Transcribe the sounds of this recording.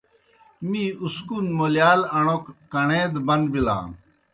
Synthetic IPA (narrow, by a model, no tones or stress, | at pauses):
mĩuskunmoːljaːlɐɳoːkːɐɳẽːd̪bɐnd̪bilã̰ː